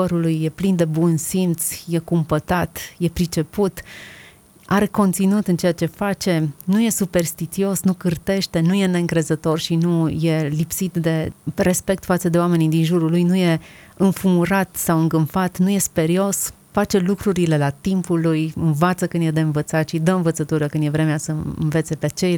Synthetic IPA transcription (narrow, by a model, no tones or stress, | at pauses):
əɾulujːe̞plind̪e̞bunsimt̪sje̞kumpət̪at̪je̞pɾit͡ʃe̞put̪ | aɾe̞ko̞nt̪sinut̪ɨnt͡ʃe̞jat͡ʃe̞fat͡ʃe̞nuje̞supe̞rst̪it͡ʃio̞snukɨrt̪e̞ʃt̪e̞nuje̞ne̞ɨŋkɾe̞zət̪o̞rʃinuje̞lipsit̪d̪e̞re̞spe̞k̚t̪fat̪səd̪e̞oame̞nid̪inʒuɾulujnuje̞ɨnfumuɾat̪sawɨŋɡɨmfat̪nuje̞spe̞ɾio̞s | fat͡ʃe̞lukɾuɾile̞lat̪impulujɨnvat̪səkɨnd̪je̞d̪e̞ɨnvət̪sat̪ʃid̪əɨnvət̪sət̪uɾəkɨnd̪je̞vɾe̞measəɨ̰nve̞t̪se̞pet͡ʃe̞j